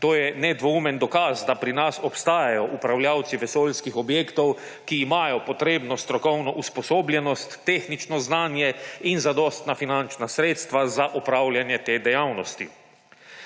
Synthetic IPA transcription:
t̪oːjɛnɛd̪ʋɔumɛnd̪ɔkazd̪apɾinasɔpst̪aːjajɔʔupɾawljawt̪siʋɛsoːlskixɔbjeːkt̪ɔw | kiːmaːjɔpɔt̪ɾeːbnɔst̪ɾɔkɔwnɔʔuspɔsoːbljɛnɔst̪ːeːxnit͡ʃnɔznaːnjɛinzad̪ɔːst̪nafinant͡ʃnasɾeːt̪st̪ʋazaʔɔpɾawlʲjanjɛt̪eːd̪ɛjawnɔst̪ḭ

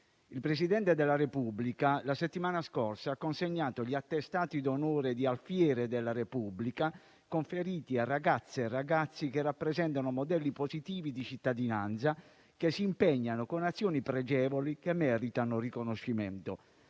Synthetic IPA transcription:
ilpɾesid̪ɛnt̪ed̪elːaɾepubːlikalaset̪ːimaːnaskorsaakːonseɲːaːt̪oʎiat̪ːest̪aːt̪id̪onoːɾed̪ialfjɛːɾed̪elːaɾepubːlika | koɱfeɾiːt̪iarːaɡat̪sːerːaɡat̪sːikerːapːɾezɛnt̪anomod̪ɛlːipozit̪iːvid̪it͡ʃit̪ːad̪inant̪sa | kesːiːmpeɲːanokonat̪sːjoːnipɾɛd͡ʒɛːvolikemːɛːɾit̪anorikonoʃːimɛ̰nt̪o

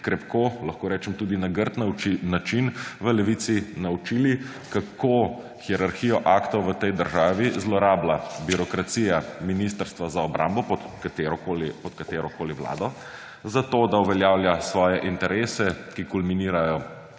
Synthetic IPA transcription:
kɾɛpkoːlaxkoːɾɛːt͡ʃɛmt̪uːd̪inaɡəɾt̪nnat͡ʃinʋəlɛʋit̪sinaut͡ʃili | kakʰo | xiɛɾaɾxijɔʔakt̪ɔʋət̪ɛjd̪əɾʒaːʋizlɔɾaːblabiɾɔkɾat̪sijaminis̬t̪əɾst̪ʋazaɔbɾʔa̰mbɔpɔt̪kat̪eɾɔkoːlipɔt̪kat̪eːɾɔkoːliʋla̰ːd̪ɔ | zat̪od̪auʋɛljaːwljasʋɔːjɛʔint̪ɛɾeːsɛkikulminiːɾajɔ

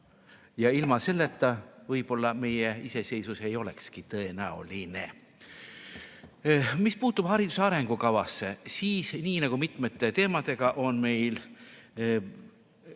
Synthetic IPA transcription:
jɑilmɑse̞lːet̪ːɑvɤjpo̞lːɑme̞jeise̞se̞jsuse̞jo̞le̞̰kskit̪ɤ̞e̞næṵline̞̰ | mispuːt̪ːˑub̥hɑɾid̪̥u̥seɑɾe̞ŋɡ̥ukɑvɑsːe̞siːsniːnɑɡ̥umit̪ˑme̞t̪ːe̞t̪e̞ːmɑd̪̥e̞ɡ̥ɑʔo̞nme̞jl

